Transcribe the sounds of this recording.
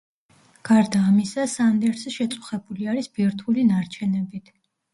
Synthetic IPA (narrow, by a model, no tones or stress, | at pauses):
ɡ̥aɾd̪aːmisasand̪ɛɾsɛʃɛt̪sʼu̥χɛbuliaɾisb̥iɾt̪ʰulinaɾt͡ʃʰɛnɛbit̪ʰ